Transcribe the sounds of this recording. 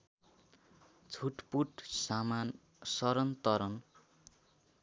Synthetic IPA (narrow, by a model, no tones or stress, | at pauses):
t͡sʰuʈpuʈsaman | sʌɾʌnt̪ʌɾʌn